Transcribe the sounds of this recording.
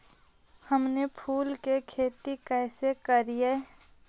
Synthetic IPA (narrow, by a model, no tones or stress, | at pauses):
həmnepʰuːlkekʰeːt̪ikɛːsekəɾie